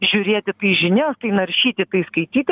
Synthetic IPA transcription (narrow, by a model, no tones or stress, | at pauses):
ʒʲʊɾʲeːt̪ʲɪt̪ɐɪʒʲɪnʲoːst̪ɐɪnɐɾʲʃʲiːt̪ʲɪt̪ɐɪskɐɪt̪ʲiːt̪ʲ